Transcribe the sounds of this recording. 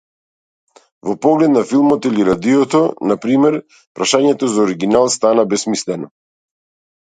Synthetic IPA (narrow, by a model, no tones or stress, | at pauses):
vɔpɔɡlɛt̪̚nafilˠmɔt̪iliɾad̪ijɔt̪ɔnapɾimɛɾ | pɾaʃaɲɛt̪ɔzaɔɾiɡinalˠst̪anabɛsmislɛnɔ